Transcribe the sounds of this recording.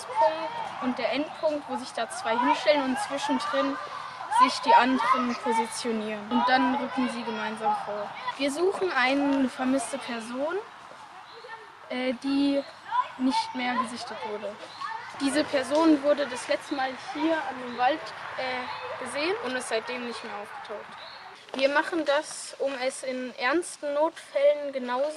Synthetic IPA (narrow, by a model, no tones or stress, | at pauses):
spʰʊŋtʔʊnt̚d̥eːɐʔɛnt̚pʰʊŋk̚tv̥oːzɪçd̥aːt͡sv̥aɪɦɪnʃtɛlənʊntt͡sv̥ɪʃn̩dʁɪn | z̥ɪçd̥iːʔandəʁənpʰozit͡sjoniːʁənʊnt̚d̥anʁʏkŋ̩ziːɡəmaɪnzaːmfoːɐviːɐzuːxn̩ʔaɪnənəfɛɐmɪstəpʰɛɐzoːn | ʔɛːd̥iː | nɪçtmeːɐɡəzɪçtətv̥ʊɐdəd̥iːzəpʰɛɐzoːnvʊɐdədaslɛt͡stəmaːlhiːɐandeːmvaltʔɛːɡ̥əzeːənʊntɛsz̥aɪt̚d̥eːmnɪçtmeːɐʔaʊfɡ̥ə̥tʰaʊxt | viːɐmaχn̩dasʔʊmɛsɪnʔɛɐnstn̩ːoːtfɛlənɡənaʊ